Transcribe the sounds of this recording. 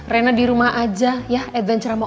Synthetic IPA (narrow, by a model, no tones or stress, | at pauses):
rɛnadiɾumaʔad͡ʒajahɛd̪vɛnt͡ʃɾamɔ